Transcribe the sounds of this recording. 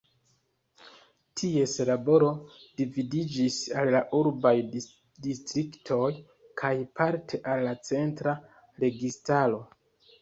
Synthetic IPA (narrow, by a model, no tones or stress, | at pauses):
tʰie̞slabo̞ɾo̞d̥ividid͡ʒisallaʔuɾbaj | distɾiktʰo̞j | kʰajpʰaɾtʰe̞ʔalːat͡se̞ntɾa | ɾe̞ɡistalo̞